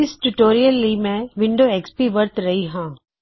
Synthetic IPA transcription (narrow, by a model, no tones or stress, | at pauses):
ɪsʈuʈoːɾijəlːimẽʋɪ̃ɳɖoeːkspiʋɐɾt̪ɾɐɦiɦãː